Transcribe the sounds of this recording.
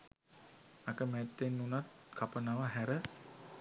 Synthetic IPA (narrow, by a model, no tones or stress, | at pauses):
akəmɛt̪ːenːunat̪̚kʰapənaʋəɦæɾə